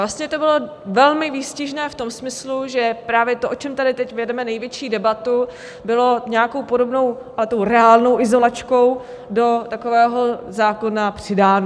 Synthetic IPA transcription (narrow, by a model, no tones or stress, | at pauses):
vlast̪ɲɛt̪o̞bɪlo̞ | vɛlmɪviːscɪʒnɛːft̪o̞msmɪsluʒɛpɾaːvjɛt̪oʔo̞t͡ʃɛmt̪adɪt̪ɛcvjɛdɛmɛnɛjvjɛt͡ʃiːdɛbat̪u | bɪlo̞ɲɛako̞wpo̞do̞bno̞wʔalɛt̪o̞wɾɛaːlno̞wɪzo̞lat͡ʃko̞w | do̞t̪akovɛːɦo̞zaːko̞napr̥ɪdaːn